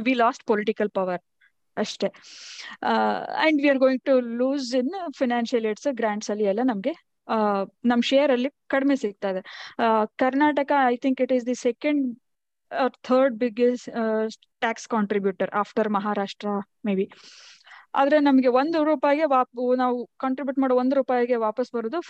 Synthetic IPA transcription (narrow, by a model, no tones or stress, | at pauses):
ʋiːlɔːsʈ̚pɔlɪʈikɐlpɐʋɐɾ | ɐʂʈe | ɛ̰̃ɳɖʋiaɾɡoːjĩŋ̚ʈuluːzinfʰaɪnãːnʃɐleːʈsɡɾãːɳʈsɐlːiɛlːɐnɐmɐɡe | nɐmːɐʃeːjɐɾɐlːikɐɽmesiɡ̚t̪aːjd̪ekɐɾnaːʈɐkaajt̪ʰĩŋkiʈizd̪isɛkɐ̃ɳɖ | ɔːɾt̪ʰəːɾɖ̚biɡesʈsʈʈaːkskaːɳʈɾibjuːʈɐɾa̰ːfʈɐɾmɐɦaːɾaːʂʈɾɐ | meːbi | a̰ːd̪ɾenɐmɐɡe̞ʋond̪uɾuːpaːjɐɡeʋaːpnaːʋukaːɳʈɾibjuːʈ̚maːɽoond̪ɾuːpaːjɡeʋaːpɐsbɐɾoːd̪u